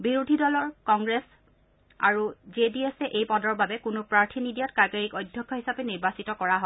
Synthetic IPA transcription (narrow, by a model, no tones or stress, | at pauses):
biɹudʱidɔlɔɹkɔŋɡɹes | a̰ɹuzediesɛʔejpɔdɔɹbabɛkʊnʊpɹaɹtʰinidijatkaɡeɹikɔjdʱjɔkʰːɔɦisapɛniɹbasitɔkɔɹaɦɔ